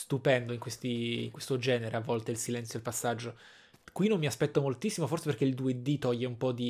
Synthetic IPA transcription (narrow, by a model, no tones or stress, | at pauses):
st̪upɛnd̪oiŋkwest̪ḭŋkwest̪od͡ʒɛːneɾeavːɔlt̪eilsilɛnt̪sjoilpasːad͡ʒːo | kwinomːiaspɛt̪ːomolt̪isːimoforseperk̟eild̪ued̪it̪ɔjːeumpɔd̪i